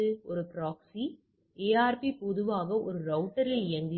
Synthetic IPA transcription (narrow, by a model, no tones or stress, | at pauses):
ɯɔɾɯpɾaːksi | eːaːɾpipɔðɯʋaːɣɐʔɔɾɯɾɐʊʈɐɾɪlɪɐnd̪ɪ